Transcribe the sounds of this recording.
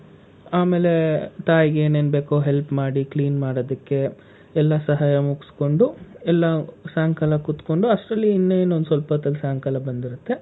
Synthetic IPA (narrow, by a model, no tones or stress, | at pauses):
aːme̞ːle̞t̪aːjɡeːne̞ːnbe̞ːkoɦelpmaːɽikliːnmaːɽoːd̪ɐkːe̞ | ɛlːɐsɐɦaːjɐmuksko̞ɳɖuɛlːɐsaːŋkɐlɐkut̪ko̞ɳɖuɐʂʈɾɐlːiːnːeeːnuond̪sʋɐlpɐt̪ɐlːsaːŋkɐlɐbɐnd̪iɾut̪ːe̞